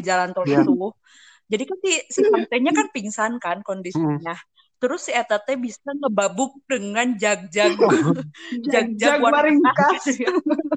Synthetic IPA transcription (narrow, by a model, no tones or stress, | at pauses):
d͡ʒalant̪olitt̪u | d͡ʒadikansisipənt̪eɲakanpiŋsankankɔndisiɲa | t̪əɾʊsːit̪et̪ebisaŋəbabʊk̚dəŋand͡ʒaɡ̚d͡ʒaɡ | aɡ̚d͡ʒaawaaɾiŋakas